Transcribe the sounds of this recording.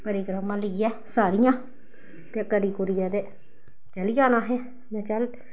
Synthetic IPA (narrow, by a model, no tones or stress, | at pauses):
pəɾiɡɾəmãːləɡɛː | saːɾɪjãː | t̪eːkəɾiːkʊɾɪjaːd̪eː | t͡ʃəlijaːnãːɦɛ̃ː | mɛ̃ːt͡ʃəl